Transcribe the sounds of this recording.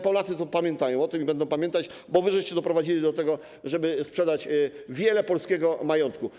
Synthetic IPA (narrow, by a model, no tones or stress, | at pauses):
pɔlat̪sɘt̪ɔpamʲjɛnt̪ajɔ̃w̃ɔt̪ɘmibɛnd̪ɔ̃w̃pamʲjɛnt̪at͡ɕbɔvɘʐɛjt͡ɕɛd̪ɔpɾɔvad͡ʑilʲid̪ɔt̪ɛɡɔ | ʐɛbɘspʂɛd̪at͡ɕvʲjɛlɛpɔlskʲɛɡɔmajɔnt̪̚ku